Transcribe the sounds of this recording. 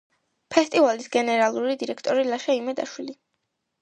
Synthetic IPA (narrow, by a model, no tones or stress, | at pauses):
pʰɛst̪ʼivalisɡɛnɛɾalˠuɾid̪iɾɛkʰt̪ʼɔɾilaʃaimad̪a̰ʃwili